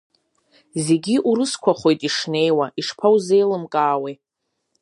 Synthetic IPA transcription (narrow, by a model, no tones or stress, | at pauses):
ze̞ɡʲiʔuɾɨskʷʰaχʷo̞jtʼiʂne̞jwaʔiʂpʰawzejlɨmkʼaːwe